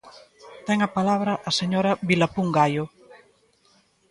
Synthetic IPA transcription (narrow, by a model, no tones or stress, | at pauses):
t̪ɛŋɐpalaβɾɐʔaseɲoɾɐβilapuŋɡajʊ